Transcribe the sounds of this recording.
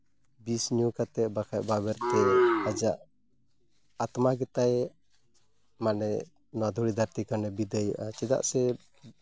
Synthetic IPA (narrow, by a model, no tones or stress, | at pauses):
bisɲukat̪ɛʔbakʰaʔ̚babɛɾt̪ɛad͡ʒaʔ | at̪maɡɛt̪aj | manɛ | nɔwad̪ʱuɽid̪ʱaɾt̪ikanɛbid̪ajuʔat͡ʃɛd̪a̰ʔsɛ